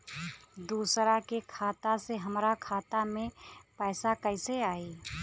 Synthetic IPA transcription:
d̪uːsɾakekʰaːt̪aseɦəmɾakʰaːt̪amẽpɛːsakəɪseaːiː

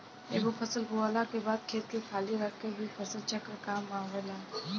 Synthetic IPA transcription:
ḛːbofʰɐsəlɡualakebaːd̪̚kʰeːɾkekʰaːliɾəkkebʱifʰɐsəlt͡ʃəkɾkaːmːãːʋela

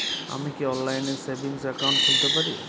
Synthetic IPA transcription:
a̰mikiɔnlajnesebinsakawɳʈkʰult̪epaɾi

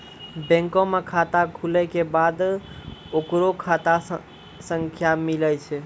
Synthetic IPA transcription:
bɛ̃ŋkõmekʰat̪akʰulɛkebad̪ | okɾokʰat̪a | sə̃ŋkʰjamiləjt͡ʃʰɛ

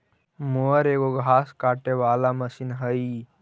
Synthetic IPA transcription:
moəɾeːɡoɡʱaːskaːʈeʋaːlaməsinɦəi

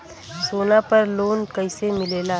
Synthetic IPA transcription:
soːnapɐɾloːnkəɪsemɪleːla

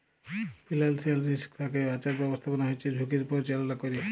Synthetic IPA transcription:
pilalsialɾiskt̪ʰakebat͡ʃaɾbɛbost̪ʰapɔnaɦojt͡ʃʰed͡ʒʱukiɾpoɾt͡ʃalalakoɾi

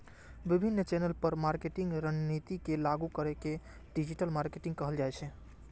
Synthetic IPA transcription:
bibʱinːt͡ʃenəlpəɾmaɾkeʈĩŋɡɾənnit̪ikelaɡukəɾɛke | ɖid͡ʒiʈəlmaɾkeʈĩŋɡkəɦəld͡ʒajt͡ʃʰɛ

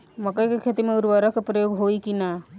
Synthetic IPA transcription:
mɐkəjkekʰet̪imẽʊɾwaɾakapɾəjoːɡɦoikina

